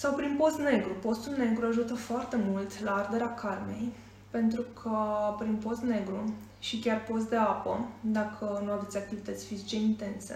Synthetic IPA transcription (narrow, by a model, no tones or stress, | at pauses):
sawpɾinpo̞st̪ne̞ɡɾupo̞st̪ulne̞ɡɾuaʒut̪əfoart̪e̞mult̪laard̪e̞ɾeakʰarme̞j | pe̞nt̪ɾukʰəpɾinpo̞st̪ne̞ɡɾu | ʃikʲarpo̞st̪d̪e̞apəd̪akʰənuavet̪ʲak̚t̪ivit̪ət̪sʲfizit͡ʃeint̪e̞nsḛ